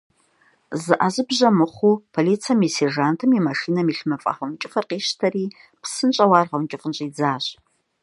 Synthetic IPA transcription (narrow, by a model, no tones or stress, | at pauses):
zɨʔazɨbʑɐmɨχʷupʰoliːt͡sʰamiserʒaːntʰɨmimɐʂiːnɐmiɬmɨfʼɐ̰ʁɐmt͡ʃʼɪfɐrqiːʃtʰɐriː | pʰsɨnt͡ʃʼɐwaːrʁɐwnt͡ʃʼɪfʼənɕʼiːd͡zaːɕ